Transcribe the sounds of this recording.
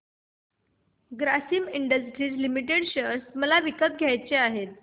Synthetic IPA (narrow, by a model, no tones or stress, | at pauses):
ɡɾasiːmiɳɖəsʈɾiːt͡slimiʈ̬eɽɕəɾsməlaʋikəp̪̚ɡʱjajt͡seaɦet̪̚